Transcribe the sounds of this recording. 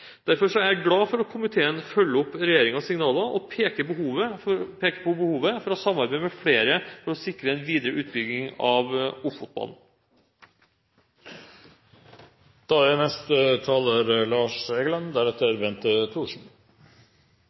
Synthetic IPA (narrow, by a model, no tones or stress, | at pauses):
d̪̥æɾfɔʂɔæɾɡɽɑːfɔɾɔkʰʊmɪt̪ʰeːənfœlːəʊpːɾɛjeːɾɪŋɑsɪŋnɑːlɑʔɔpʰeːkəbəhuːʋəpʰeːkə̥pʰɔbəhuːʋəfɔɾɔsɑmːɑɾbæɪmɛfɽeːɾəfɔɾɔsɪkɾəɛnʋiːd̪əɾəʔʉːt̪̚bʏɡnɪŋɑʋʊffʊt̪̚bɑ̰ln̩ | d̪̥ɑːænɛst̪ət̪ʰɑːləɾlɑːʂɛɡəlɑnd̪æɾɛt̪əɾbɛnt̪ət̪ʰuːʂn̩